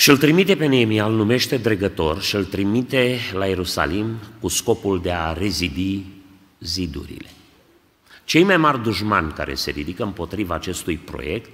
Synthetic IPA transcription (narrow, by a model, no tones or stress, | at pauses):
ʃiɨlt̪ɾimit̪e̞pe̞neemialnume̞ʃt̪e̞d̪ɾeɡət̪o̞rʃiɨlt̪ɾimit̪e̞laje̞ɾusa̰limkusko̞puld̪e̞are̞zid̪i | zid̪ṵɾḭle̞ | t͡ʃe̞jmajmarʲd̪uʒma̰nʲka̰ɾe̞̰se̞ɾid̪ikəɨmpo̞t̪ɾivaːt͡ʃe̞st̪ujpɾo̞̰je̞k̚t̪